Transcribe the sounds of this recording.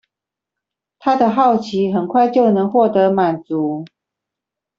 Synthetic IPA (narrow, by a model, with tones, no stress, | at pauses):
t̪ʰa˦d̪ə˨xɑ˥˩ʊt͡ɕʰi˨˦xə˨˩nkʰwa˥˧ɪt͡ɕjo˥˨˩ʊnə˧˦ŋxwɔ˥˨t̪ɤ˨˧˦ma˨˩nt͡su˨˦